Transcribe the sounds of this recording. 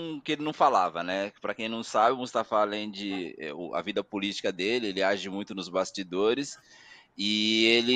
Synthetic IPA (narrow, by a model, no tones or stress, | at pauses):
kɪelɪnɐ̃w̃falavɐnɛpɾɐkẽj̃nɐ̃w̃sabɪ̃mʊst̪afãalẽj̃d͡ʒɪɛ̰ʊ̰ɐ̰vid̪ɐpolit͡ʃi̥kɐd̪elɪelɪaʒɪmũj̃t̪ʊnʊzbast͡ʃid̪oɾɪs | ɪelɪ